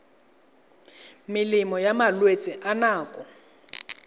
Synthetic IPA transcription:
mɪlimɔjamalwet͡sʼiʔanaːkʼɔ

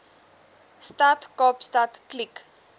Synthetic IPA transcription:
statkɔpstatklik

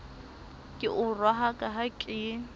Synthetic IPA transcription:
kʼɪʔʊrwaɦakʼaɦakʼɪ

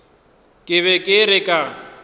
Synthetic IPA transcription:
kʼɪβɛkʼɪɾɪkʼa

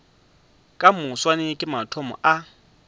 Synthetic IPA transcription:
kʼamʊswanɪkʼɪmatʰɔmɔ̰ʔa

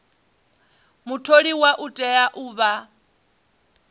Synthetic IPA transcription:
mutʰoɺiwaʔutʼɛaʔuːβa

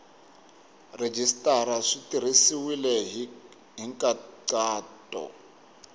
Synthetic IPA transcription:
red͡ʒistʼaɾaʂitir̤isiwilɛɦ | ɦiŋkʼaǀaːtʼɔ̰

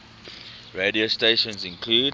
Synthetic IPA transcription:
ɹediosteɪʃə̃nzɪ̃nkʰluːd

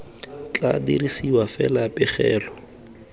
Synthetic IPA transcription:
t͡ɬʼa̰dḭɾisiwafɛlapʼɪχɛːlɔ

